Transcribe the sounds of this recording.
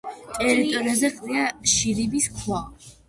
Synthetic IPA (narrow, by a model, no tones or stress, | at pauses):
t̪ʼɛɾit̪ʼɔɾiazɛqʼɾiaʃilibiskʰwa